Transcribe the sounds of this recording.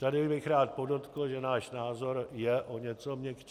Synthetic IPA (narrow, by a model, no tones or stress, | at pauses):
t̪adɪbɪxɾaːt̪̚po̞dot̪kl̩ʒɛnaːʃnaːzo̞ɾjɛʔo̞ɲɛt͡so̞mɲɛk